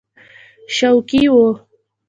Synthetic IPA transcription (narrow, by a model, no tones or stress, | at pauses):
ʃawkiwo